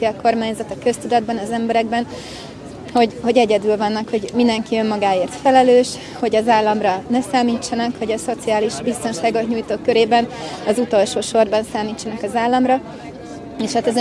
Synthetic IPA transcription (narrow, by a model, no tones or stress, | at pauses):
t̪iɒko̞rmaːɲzɒt̪ɒkø̞st̪ud̪ɒd̪̚bɒnɒzɛmbɛɾɛɡbɛn | ho̞ɟho̞ɟɛɟɛd̪ylvɒnːɒkho̞ɟmind̪ɛŋkiømmɒɡaːeːrt̪fɛlɛløːʃ | ho̞ɟɒzaːlːɒmrɒnɛsaːmiːt͡ʃːɒnɒkho̞ɟɒso̞t̪siaːliʒbist̪o̞nʃaːɡo̞t̪ɲuːjt̪oːkːøɾeːbɛnɒzut̪o̞lʃoːʃo̞rbɒnsaːmiːt͡ʃːɒnɒkɒzaːlːɒmrɒ | eːʃhat̪ɛz